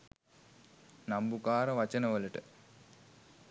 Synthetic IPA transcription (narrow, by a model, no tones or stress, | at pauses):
nɐmbukaːɾɐʋɐt͡ɕɐnɐʋɐluʈɨ